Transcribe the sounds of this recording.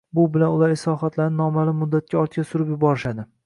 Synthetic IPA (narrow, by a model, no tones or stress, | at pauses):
bʊbɪlanʊlaɾɪsɒχat̪ʰlaɾnɪnɒmalɪmːʊd̪ːat̪̚kʲaɒɾt̪kʲasʊɾɪpjʊbɒɾɪʃad̪ɪ